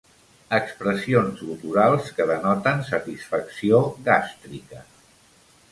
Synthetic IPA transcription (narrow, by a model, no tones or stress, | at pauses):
əkspɾəsionzut̪uɾalˠskəðənɔt̪ənsət̪isfəksioɣast̪ɾikə